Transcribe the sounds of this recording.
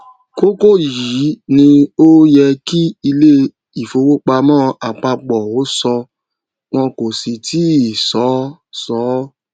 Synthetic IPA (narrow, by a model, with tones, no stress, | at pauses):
ko˦ko˦˨ji˨˦nĩ˧o˦jɛ˧ki˦i˧le˦ | i˨fo˧wo˦k͡pa˧mɔ̃ː˦a˨k͡pa˧k͡pɔ˨o˨˦sɔ˧ | w̃ɔ̃˧ko˨si˨tʰi˨˦i˨sɔ˨˦sɔ˨˦